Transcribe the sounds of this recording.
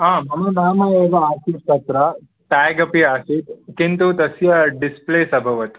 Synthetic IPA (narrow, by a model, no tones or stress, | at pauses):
ãːmɐmɐd̪ʱaːmajeːʋɐaːsist̪ɐt̪ɾɐ | ʈaːɡɐpiaːsit̪kint̪ut̪ɐsjɐɖispleːsɐbʱɐʋɐt̪u̥